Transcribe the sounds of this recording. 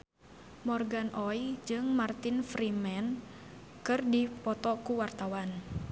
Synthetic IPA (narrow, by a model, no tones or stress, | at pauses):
mɔrɡanʔɔjd͡ʒɨŋmart̪infɾimɛn | kɨrdipɔt̪ɔkuwart̪awan